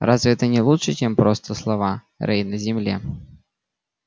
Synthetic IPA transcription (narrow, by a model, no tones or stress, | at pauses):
ɾʔazvʲɪɛt̪ənʲɪlˠutʂɨt͡ɕempɾost̪əslˠɐva | ɾʔɛjnəzʲɪmlʲḛ